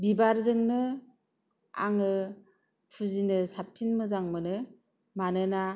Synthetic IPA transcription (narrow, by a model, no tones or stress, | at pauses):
bibaɾzɯŋnɯ | a̰ŋɯ | pʰuzinɯsapʰːinmɯzaŋmɯnɯ | manɯna